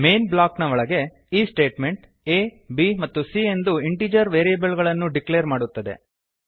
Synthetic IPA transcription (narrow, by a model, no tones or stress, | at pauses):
meːnblaːknɐʋɔɭɐɡe̞ | iːsʈe̞ːʈme̞ɳʈ | eː | bimɐt̪ːusie̞nd̪uiɳʈiːd͡ʒɐɾʋeːɾijɐbɐlɡɐɭɐnːuɖikleːɾmaːɽut̪ːɐd̪ḛ